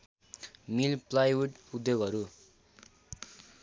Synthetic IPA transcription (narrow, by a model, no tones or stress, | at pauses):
milplajuʈud̪joɡʌɾu